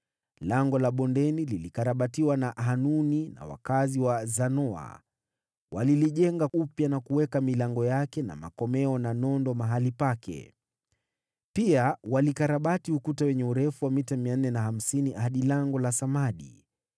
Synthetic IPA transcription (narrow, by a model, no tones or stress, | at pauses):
laŋɡɔlaɓɔndɛnililikaɾaɓatiwanaʔɦanunina̰wa̰kaziwazanɔa̰ | waliliʄɛŋɡaupjanakuwɛkamilaŋɡɔjakɛna̰ma̰kɔmɛɔnanɔndɔmaɦalipakʰɛ̰ | piawalikaɾaɓatiukutawɛɲɛuɾɛfuwamitamianːɛnaham̩siniʔaɗilaŋɡɔlasamaɗḭ